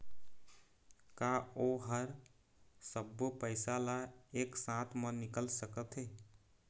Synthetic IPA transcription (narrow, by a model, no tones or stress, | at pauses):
kaːoːɦəɾ | səbːopəɪsalaeːksãːt̪ʰmənɪkəlsəkət̪ɦe